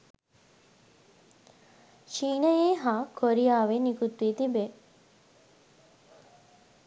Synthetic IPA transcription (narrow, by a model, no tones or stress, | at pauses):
ʃiːnəjeːɦaːkʰoɾijaːʋenikut̪ʋiːt̪ibe